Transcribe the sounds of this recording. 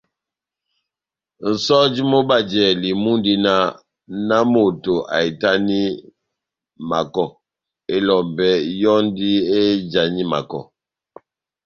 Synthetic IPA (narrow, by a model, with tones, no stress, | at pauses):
n̩˨sɔ˦d͡ʒi˦mo˦ba˦˨d͡ʒɛ˨li˨mu˦ndi˦na˦ | na˦mo˨to˨ʔa̰˨i˨ta˦ni˦ | ma˨kɔ˨ | e˦lɔ˨mbɛ˦jɔ˦n˦di˦e˦d͡ʒa˨ɲi˦ma̰˨kɔ̰˨